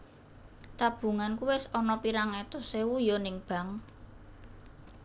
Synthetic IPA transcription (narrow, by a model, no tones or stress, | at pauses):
t̪ab̥ṳŋankuwesɔnɔpiɾaŋɛt̪ɔsewujɔnɪŋb̥a̤ŋ